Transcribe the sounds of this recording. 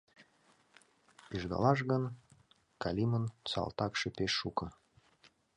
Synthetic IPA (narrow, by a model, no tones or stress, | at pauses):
piʒd̪ɑ̰lɑʃ̬ɣən | kɑlʲimənt͡sɑ̰lˠt̪ɑkʃepeʃːukɤ̆